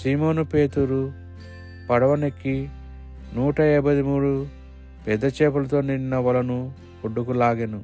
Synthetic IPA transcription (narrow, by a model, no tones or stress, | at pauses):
simo̞ːnupe̞ːt̪uɾu | pɐɽɐʋɐnekːi | nuːʈɐɛbɐd̪imuːɽu | pɛd̪ːɐt͡ʃeːpulɐt̪o̞ːninːɐʋɐlɐnu | koɖːukulaːɡenu